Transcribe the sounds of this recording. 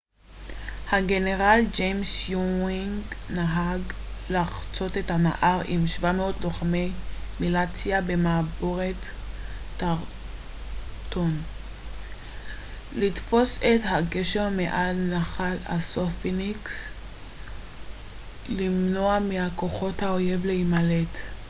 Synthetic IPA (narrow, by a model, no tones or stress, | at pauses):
haɡe̞neʁald͡ʒejmsjuiŋɡnaɦaɡ | laχt͡so̞tethana̰ʔaʁimʃvameot̪loχamemilat͡sjabemaboʁetː | aʁ | t̪o̞n | litfo̞sethaɡeʃeʁmeʔalnaχala̰sofiniks | limnoamihako̞χo̞thaojevleimalet